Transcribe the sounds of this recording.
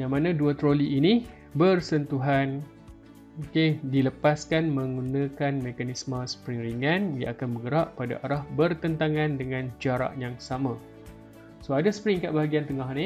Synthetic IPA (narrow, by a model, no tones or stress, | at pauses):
jaŋmãnãduət̪ɾoliʔːni | bərsənt̪uɦan | okediləpaskanmə̃ŋɡunãkanmẽkanismə̃sə̥pɾɪŋɾiŋanja̰akanbəɡəɾaʔpada̰ʔaɾahbərt̪ənt̪aŋãndəŋãnd͡ʒaɾa̰ʔjaŋsamã | soadaspɾɪŋkaʔbaɦaɡiant̪əŋaɦni